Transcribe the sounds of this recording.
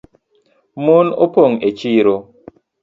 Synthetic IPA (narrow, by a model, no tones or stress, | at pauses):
mono̰poŋet͡ʃiːɾo